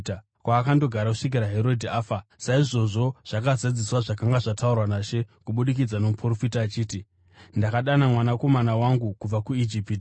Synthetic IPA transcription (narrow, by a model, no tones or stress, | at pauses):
kwaːkando̞ɡʱaɾakuʂik̬iɾaɦe̞ɾo̞dʱiaːfasaiʐo̞ʐo̞ʐ̥akazad͡ziswaʐakaŋɡaʐataurwanaːʃe̞kuɓuɗik̬id͡zano̞mupro̞fitaːt͡ʃiːti | ndakaɗanamwanako̞manawaŋɡukub͡vakuid͡ʒipti